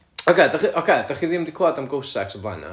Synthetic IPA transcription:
ɔkʰedaχiʔɔkʰed̥aχiðimdikʰlˠɔdamɡowsɛ̰ksɔblˠa̰na̰

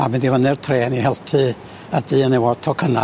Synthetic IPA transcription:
amɪ̃ndivənɨrtʰreːnihɛlˠpʰɨ | ədɨːənɛwɔrtʰɔkʰəna

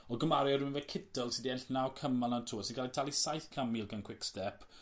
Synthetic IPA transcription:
ɔɡəmaɾjɔɾunvɛkʰɪdəlˠsidiɛnɬnawkʰəmanantʰuːsɪnɡalitʰalˠisajθkʰamilˠɡankʰw̥ɪkstɛpʰ

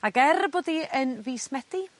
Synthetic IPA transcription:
aɡɛrboːdiənviːsmɛdi

